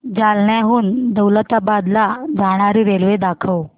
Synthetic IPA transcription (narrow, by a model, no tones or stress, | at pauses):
d͡zalɳjaɦuːnd̪əwlət̪abad̪lad͡zʱaɽ̃aɾiːɾelʋed̪akʰəw